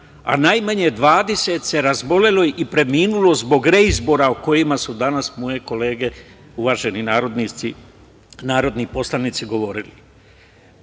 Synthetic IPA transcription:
a̰najmaɲed̪ʋaːd̪ese̞t̪se̞ɾazbo̞le̞lo̞ipɾe̞miːnulo̞zbo̞ɡɾe̞izbo̞ɾaoko̞jimasud̪anasmo̞je̞ko̞le̞ːɡe̞ | uʋaʒe̞ninaːɾo̞d̪nii | naːɾo̞d̪nipo̞slˠanit̪siɡo̞ʋo̞ɾili

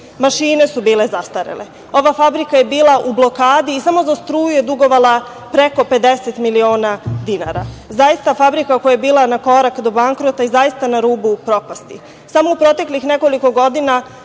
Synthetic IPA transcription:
maʃiːne̞subiːle̞zast̪aɾḛle | o̞ʋafabɾikaje̞biːlˠaʔublˠo̞kaːd̪iːsamo̞zast̪ɾuːjuje̞d̪uɡo̞ʋalˠa | pɾe̞ko̞pe̞d̪e̞set̪milio̞ːnad̪ina̰ɾa̰zajist̪afabɾikakojajebiːlˠanako̞ɾakd̪o̞baŋkɾo̞t̪aizajist̪anaɾuːbupɾo̞past̪i | samo̞upɾo̞t̪e̞klixne̞ko̞liko̞ɡo̞d̪ina

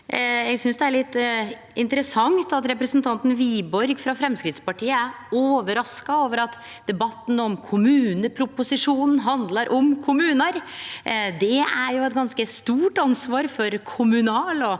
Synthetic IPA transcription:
jɛɡsʏnsd̪ɛæɭɪt̪ː | ɪnt̪əɾəsɑŋt̪ɑt̪ɾɛpɾəsnt̪ʰɑnt̪n̩ʋiːbɔɾɡfɾɑfɾɛmskɾɪt̪spɑʈʰiːəæɾ | oːʋəɾɑskɑoːʋəɾɑt̪ | d̪̥ɛbɑt̪ːn̩ɔmkʰʊmʉːnəpʰɾʊpʊsɪʂuːnn̩ɦɑnd̪lɑɾʔɔmkʰʊmʉːnəɾ | d̪ɛæɾjʊɛt̪ɡɑnskəst̪uːʈɑnsʋɑːɾfɔɾkʰʊmʉnɑːlɔ

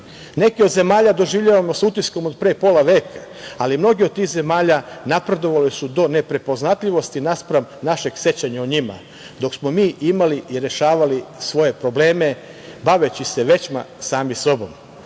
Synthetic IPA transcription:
ne̞kiod̪ze̞maːʎad̪o̞ʒiʋʎaʋamo̞sut̪isko̞mo̞d̪pɾeːpo̞laʋe̞ːkʰa | alimno̞ɡiod̪̚t̪iːxze̞maːʎanapɾe̞d̪o̞ʋalisud̪o̞nepɾe̞po̞znat̪ʎiʋo̞st̪inaspɾamnaʃe̞ɡ̥sje̞t͡ɕaɲaoɲima̰ | d̪o̞ksmo̞miːʔimaliʔiɾe̞ʃaːʋalisʋo̞je̞pɾo̞ble̞ːme̞ | baʋe̞t͡ɕise̞ʋe̞t͡ɕma̰saːmiso̞bo̞̰m

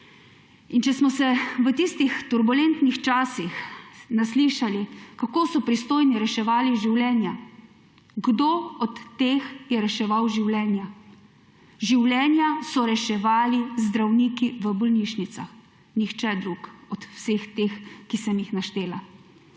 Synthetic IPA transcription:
int͡ʃɛsmɔsɛʋət̪ist̪ixt̪uɾbulent̪nixt͡ʃaːsixnasliːʃalikakoːsɔpɾist̪oːjniɾɛʃɛʋaːliʒiwlɛːnja | ɡd̪oːɔt̪ːeːxjɛɾɛʃɛʋawʒiwlɛːnja | ʒiwlɛːnjasɔɾɛʃɛʋaːlizd̪ɾawniːkiʋəbɔlniːʃnit̪sa̰x | nixt͡ʃɛd̪ɾukɔt̪wsext̪exkisɛmjixnaʃt̪eːla

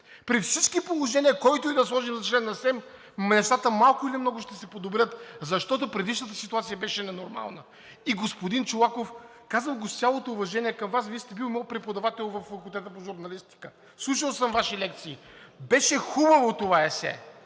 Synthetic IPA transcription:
pɾifsit͡ʃkipolˠoʒɛniəkɔjt̪ʊid̪ɐslˠɔʒimzɐt͡ʃlɛnːɐsɛm | mɛst̪at̪əmalˠkʊilimnɔɡʊʃt̪ɛsɛpod̪obɾʲət̪zɐʃt̪ɔt̪opɾɛd̪iʃnət̪əsit̪uat̪sijɐbɛʃɛnɛnoɾma̰lˠnə | iɡospod̪int͡ʃolˠakof | kazəlˠɡʊst̪ʲjalˠot̪oːvɐʒɛniɛkəmvasvist̪ɛbilˠmɔpɾɛpod̪ɐvat̪ɛlˠvɐffːɐkulˠt̪ɛt̪əpoʒʊɾnɐlist̪i̥kə | slˠuʃəlˠsəmvaʃilɛkt̪siː | bɛʃɛxubɐvot̪ovaɛsɛ̰

